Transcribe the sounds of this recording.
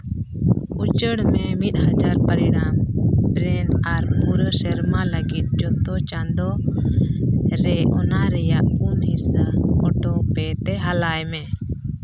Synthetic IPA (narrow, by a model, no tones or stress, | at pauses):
ut͡ʃəɽmɛmit̪̚ˀhad͡ʒaɾpəɾiɽ̃ampɾɛnaɾpuɾsɛɾmaləɡit̪̚d͡ʒɔt̪ɔt͡ʃand̪ɔ | ɾɛʔɔnaɾɛjaʔkumisɔʈɔpɛt̪ɛɦalajmɛ